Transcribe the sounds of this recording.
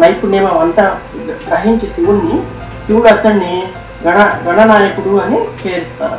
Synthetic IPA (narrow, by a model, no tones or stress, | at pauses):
nɐjpuneːmɐɐnt̪ɐ | ɡɾɐɦiɲt͡ʃisiʋunːi | siʋunɐd̪ːɐnːi | ɡɐɳɐɡɐɳɐnaːjɐkuɽuɐnikeːɾist̪aːɾɐ